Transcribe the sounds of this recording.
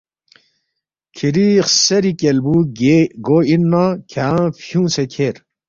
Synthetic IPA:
kʰiɾiχseɾikelbuɡɡoinːakʰafjũːsekʰeɾ

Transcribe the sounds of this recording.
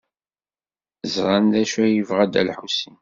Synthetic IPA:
zʁand̪æʃæjəvʁæd̪æ̰lħusin

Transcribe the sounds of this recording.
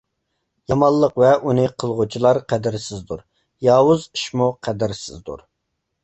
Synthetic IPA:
jɑmɑlˠːəqvɛʔunɨqʰəlˠʁut͡ʃʰilˠɑɾqʰɛd̪ɪɾsɪzd̪uɾ | jɑːwuzi̥ʃmuqʰɛd̪ɪɾsɪzd̪ṵɾ

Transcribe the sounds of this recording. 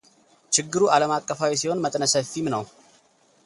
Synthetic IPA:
t͡ʃɪɡːɨɾuʔaləmakʼːəfawisiho̞nmət̪ʼnəsəfːimnəw

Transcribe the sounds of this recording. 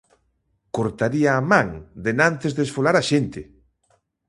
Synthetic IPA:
koɾt̪aɾiaːmãŋd̪enãnt̪ezðesfolaɾaʃent̪ɪ

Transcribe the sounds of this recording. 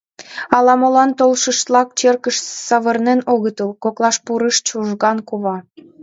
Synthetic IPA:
ɑlɑmolɑnt̪olʃəʃt̪lɑk̚t͡ɕerkəʃsɑβərnenoɣət̪əlkoklɑʃpuɾəʃt͡ɕuʒɣɑnkuβɑ

